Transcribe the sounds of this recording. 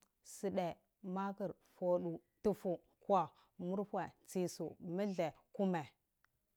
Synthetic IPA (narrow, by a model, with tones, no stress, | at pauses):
si˨ɗe˨ | ma˦kə˨ɾ | fo˦ɗu˨ | tu˦fu˨ | kwa˨ | mu˦ɾhwe˨t͡si˨su˨mə˦ɮe˨ku˦me˨